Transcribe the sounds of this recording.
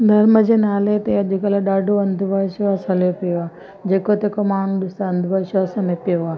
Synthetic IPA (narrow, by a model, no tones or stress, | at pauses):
d̪ʱɐɾməd͡ʑenaːlet̪eɐd͡ʒʱukɐlaɗaːɖʱoʋɐnd̪ʱuʋaʃʋaːsɐljopijoaː | d͡ʒeːkot̪eːkomaːɳɗɪst̪aɐ̃nd̪ʱuʋaːʃʋasɐmepijoaː